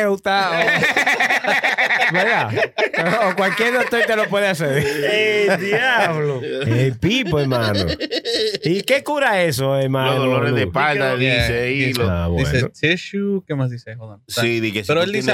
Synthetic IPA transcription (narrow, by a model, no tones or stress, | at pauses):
ut̪ao | beɡaː | kwalkjeɾðot̪ot̪alopwe̞ðeaseɾed̪jaβloelpipoeɾmãno̰ | ikekuɾaesoeɾmãlonðoloɾezðepald̪aðiseia̰βw̪ḭenot̪eʃukemasðisehoðansiðikeseɾoeld̪ie